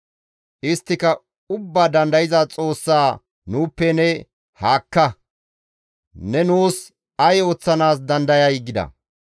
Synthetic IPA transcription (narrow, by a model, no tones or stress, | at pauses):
ʔɪst̪ːɪkɐ | ʊbːaːd̪ɐnd̪ɐjɪzɐt͡sʼo̞ːsːaː | nuːpːɛnɛ | haːkːɐ | nɛnuːs | ɐjoːt͡sːɐnaːsd̪ɐnd̪ɐjɐjɡɪd̪ɐ̰